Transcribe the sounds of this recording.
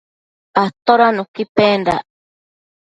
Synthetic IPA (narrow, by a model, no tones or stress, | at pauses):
at̪oɾanũkipenɾa̰